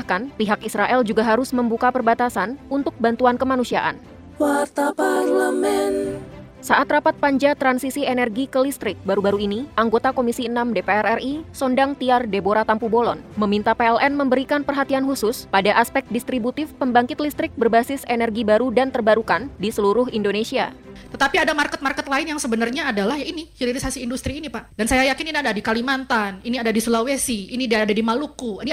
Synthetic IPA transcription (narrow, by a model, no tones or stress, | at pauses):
ahkanpiɦakisɾaʔɛld͡ʒuɡaɦaɾʊsməmbukapərbat̪asanunt̪ʊk̚bant̪uankəmanusiaʔa̰n | waɾt̪apaɾlamɛn | saʔat̪rapat̪̚paɲd͡ʒat̪ɾansisienɛrɡikəlist̪ɾɪk̚baɾubaɾuiniʔaŋɡot̪akomisiənamdepeɛrɛrisɔndaŋt̪iardeboɾat̪ampubolɔ̰nməmint̪apeɛlʔɛnməmbəɾikanpərɦat̪ianhusʊspadaʔaspɛk̚t̪̚dist̪ɾibut̪ɪfpəmbaŋkɪt̪list̪ɾɪk̚bərbasɪsenɛrɡibaɾudant̪ərbaɾukandisəluɾʊɦindonesia̰t̪ət̪apiadamarkɛt̪̚markɛt̪laɪnjaŋsəbənarɲaːdalahjainihiɾiɾisasiːndust̪ɾiːnipaʔdansajajakɪniniadadikalimant̪aniniadadisulawesiinidadadimalukuini